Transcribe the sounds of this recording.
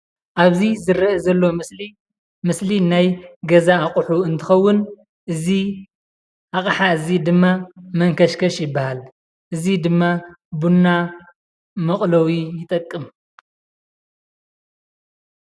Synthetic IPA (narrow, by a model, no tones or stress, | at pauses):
ʔaβzizɨɾɐʔzɐlːoi | mɨslinajɡɐzaːkʼuħuɨnt̪ʰɨxɐwːʊn | ʔɨzi | ʔaχʼħaɨzid̪ɨmːamɐŋkʰɐʃkʰɐʃjɪbːahal | ʔɨzid̪ɨmːabunːa | mɐχʼlɐwijɪt̪ʼɐkʼːɨm